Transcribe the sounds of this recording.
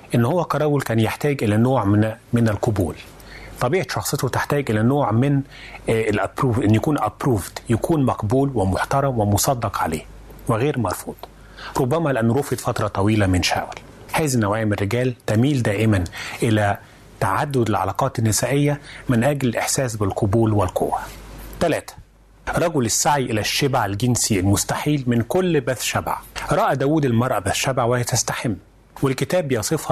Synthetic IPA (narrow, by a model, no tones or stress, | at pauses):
ʔɪnːhowːækɑɾˤɑːwʊlkæːnjeħt̪æːɡʔɪlænoːʕmmɪnɪlqobuːl | t̪ˤːɑbiːʕet̪ʃɑxsˤet̪ot̪ɪħt̪æːɡʔɪlænoːʕmɪn | lʔæpɾuːvʔenːjækuːnʔæpɾuːvd̪jækʰuːnmɑqbuːlwɪmoħt̪ɑɾˤɑmwɪmosˤɑd̪ːɑqʕa̰lḛː | wɪɣeːɾmɑɾˤfuːd̪̥ˤ | ɾˤobːæmælɪʔænːʊɾofed̪fɑt̪ɾˤɑt̪ˤɑwiːlæmɪnʃa̰ːwæl | haːzinːæwæːjɪmerːɪɡæːlt̪æmiːld̪æːʔɪmænʔɪlæ | t̪aʕad̪ːʊd̪ɪlʕa̰lɑ̰ːqɑːt̪ɪnːɪsæːʔɪjːæmɪnʔæɡlɪlʔɪħsæːs̬bɪlqʰobuːlwɪlqo̰wːæt̪ælæːt̪æ̥ | ɾˤɑɡʊlɪsːaʕiʔelæʃːebaʕælɡɪnsiælmʊst̪aħiːlmɪnkolːbæθʃæba̰ʕɾˤɑːʔæd̪æːwuːd̪ɪlmɑɾˤʔɑbæθʃæbaʕwɪhet̪æst̪aħɪmː | wɪlkɪt̪æːbjɑsˤɨfhɑ